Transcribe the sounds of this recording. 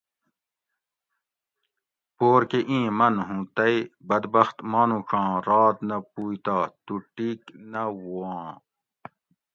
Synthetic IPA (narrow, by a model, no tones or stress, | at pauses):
poːɾkeʔĩːmɐnɦũːt̪ɐjbɐd̪bɐxt̪maːnũkɑ̃ːɾɑːt̪nɐpuːjt̪aːt̪uʈiːknɐwuãː